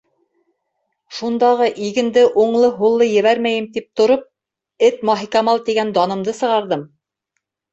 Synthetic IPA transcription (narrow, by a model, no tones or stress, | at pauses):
ʃund̪ɑʁɤʔiɡɘ̆nd̪ɘʔuɴlˠɤɦulˠːɤjɘ̆βæɾmæjɘmt̪ip̚t̪ŏɾop̚ | ɘt̪mɑɦikɑmɑlˠt̪iɡænd̪ɑnɤ̆md̪ɤsɤ̆ʁɑɾðɤm